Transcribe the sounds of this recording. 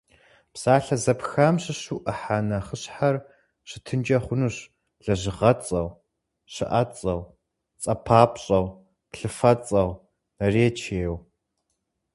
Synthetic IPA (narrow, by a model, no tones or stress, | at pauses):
psaːɬɐzɐpxamɕɪɕuʔɐħaːnɐχəɕħar | ɕɪtʰɨnd͡ʒʼɐχʷʊnɨɕ | ɮɐʑɪʁɐt͡sʼɐw | ɕɨ̰ʔɐt͡sʼɐw | t͡sʼɐpʰaːpɕʼɐw | pɬɨfɐt͡sʼɐw | nɐreːt͡ʃʰeːw